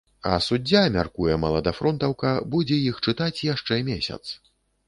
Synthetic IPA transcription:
ɐ̰sud͡zʲːamʲarkujɛmɐlˠɐd̪afɾɔnt̪ɐwkɐbud͡zʲɛjixt͡ʂɨt̪at͡sʲjaʂt͡ʂɛmʲesʲɐ̰t̪s

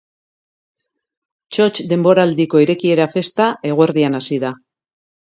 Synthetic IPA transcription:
t͡ʃo̞t͡ʃd̪e̞mbo̞ɾald̪iko̞iɾe̞kie̞ɾafe̞st̪ae̞ɣ̞oeɾðianasiða

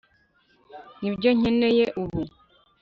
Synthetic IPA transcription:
nibjoɲ̥enejeʔuβu

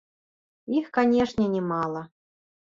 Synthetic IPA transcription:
ixkanʲeʂnʲɛnʲɪmɑlˠə

